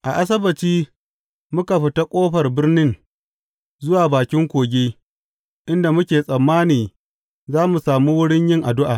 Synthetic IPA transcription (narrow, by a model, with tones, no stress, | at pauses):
ʔa˨ʔa˦s̬ɐ˦bɐ˨t͡ʃiː˦ | mʊ˦ka˨ɸɪ˨ta˦kʷʼoː˦ɸɐ˨rbɪ˦rnɪ˦n | zʊ˦waː˨baː˨kʲɪ˦ŋkʷoː˨ɡʲeː˦ | ʔɪ˦nda˨mʊ˦kʲeː˨sʼɐ˨mːaː˦niː˨ | zaː˦mu˨saː˨muː˦wʊ˦ɽɪ˦ɲjɪ˦ŋʔa˨dʊ˦ʔaː˨